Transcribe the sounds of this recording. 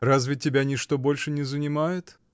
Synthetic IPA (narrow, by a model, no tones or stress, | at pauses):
razvʲɪtʲɪbʲanʲɪʂt̪obolʲʂɨnʲɪzənʲɪmajʊt̪